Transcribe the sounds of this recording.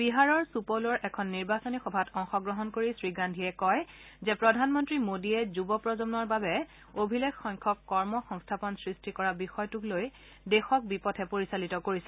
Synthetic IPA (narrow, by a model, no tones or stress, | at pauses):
biɦaɹɔɹsupolɔɹʔɛkʰɔnːiɹbasonixɔbʱatɔŋxɔɡɹɔɦɔnkoɹisɹiɡandʱiɛkɔjzɛpɹɔdʱanmɔntɹimodiɛzubɔpɹɔzɔmnɔɹbabɛ | obʱilekxɔŋkʰɔkːɔɹmɔxɔŋstʰapɔnsɹistʰikɔɹabixɔjtukloj | dɛxɔk̚bipɔtʰɛpoɹisalitɔkoɹisɛ